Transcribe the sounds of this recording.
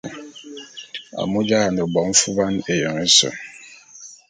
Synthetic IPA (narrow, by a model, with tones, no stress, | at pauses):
a̰˨mu˦d͡ʒa˦a˨nə˨bɔ˨˦m̩˦fu˦ba˦ne˨jə˨ŋe˦sə̰˨